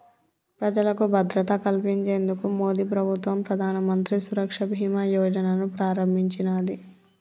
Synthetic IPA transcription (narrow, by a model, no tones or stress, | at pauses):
pɾɐd͡ʒɐlɐkubʱɐd̪ɾɐt̪ɐkɐlpiɲt͡ʃe̞ːnd̪ukumo̞ːd̪iːpɾɐbʱut̪ʋɐmpɾɐd̪ʱaːnɐmɐnt̪ɾisuɾɐkʂɐbʱiːmajɔːd͡ʒɐnɐnupɾaːɾɐmbʱiɲt͡ʃinaːd̪i